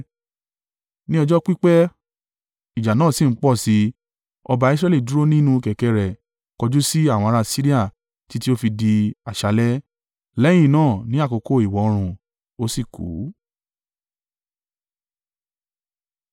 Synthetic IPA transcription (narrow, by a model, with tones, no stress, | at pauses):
nĩ˦ɔ˧d͡ʒɔ˦k͡pi˦k͡pɛ˦ | i˨d͡ʒa˨nãː˦˨si˦˨˦k͡pɔ˦˨si˨˧ | ɔ˧ba˧i˧s̬ɾɛ˧˦li˦˨du˨˦ɾo˦nĩ˦nũ˦˧kɛ˨kɛ˧ɾɛ˨ | kɔ˧d͡ʒu˦si˦a˦˨w̃ɾa˧si˦ɾi˦a˦˨ | ti˦ti˦o˦fi˧di˧a˨ʃa˨˧lɛ˦ | lɛ˦j̃ĩ˦˨nãː˦˨nĩ˨˦a˦ko˧ko˦˨i˨wɔ˨˦ɔ˧ɾ̃ũ˧ | o˦si˦˨kṵː˨˦